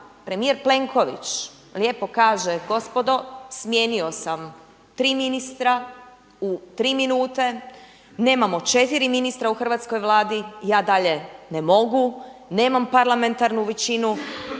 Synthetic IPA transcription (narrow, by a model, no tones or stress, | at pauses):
pɾe̞mijeɾple̞ŋkʰo̞ʋḭt͡ʃ | lje̞pokaːʒeɡo̞spo̞d̪o̞smje̞ːnio̞sam | t̪ɾiːminist̪ɾa | ut̪ɾiːminuːt̪e̞ | ne̞ːmamot͡ʃe̞t̪iɾiminist̪ɾauxr̩ʋat̪sko̞jʋlˠaːd̪ijaːd̪aʎe̞nemo̞ɡune̞ːmampaɾlame̞nt̪aɾnuʋet͡ɕinu